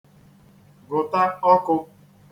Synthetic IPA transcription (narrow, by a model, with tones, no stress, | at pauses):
ɡʊ˨ta˦ɔ˦kʊ˧